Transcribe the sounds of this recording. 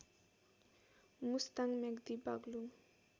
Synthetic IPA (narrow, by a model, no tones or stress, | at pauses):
must̪aŋmeɡd̪ibaɡluŋ